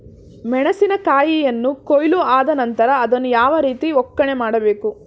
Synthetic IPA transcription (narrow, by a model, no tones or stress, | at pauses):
mɛɳɐsinɐkaːjijɐnːukojluaːd̪ɐnɐnt̪ɐɾɐːd̪ɐnːujaːʋɐɾiːt̪iɔkːɐɳe̞maːɽɐbe̞ːku